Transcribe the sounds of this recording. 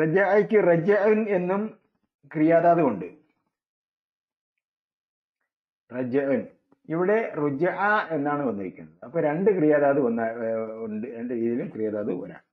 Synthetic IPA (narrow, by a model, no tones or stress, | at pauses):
rɐd͡ʑɐʔɐkʲːɨrɐd͡ʑɐʔɐne̞nːum | krijaːðaːðɨkoɳɖɨ | rɐd͡ʑɐʔɨn | iʋiɽe̞rud͡ʑɐʔɐe̞nːaːɳɨʋɐnːɐɾikʲːunːɐðɨɐpːoːɾeɳɖɨkrijaːðaːðɨʋɐnːaoɳɖɨɾeɳɖɨɾiːðilumkrijaːðaːðɨʋɐ̰ɾa̰ːm